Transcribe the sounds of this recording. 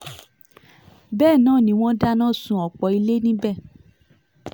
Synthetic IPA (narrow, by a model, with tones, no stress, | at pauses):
bɛː˦˨nãː˦˨nĩ˨˦w̃ɔ̃˦da˦nãː˦˨sũ˧˦ɔ˨k͡pɔ˨i˧le˦nĩ˦bɛ˦˨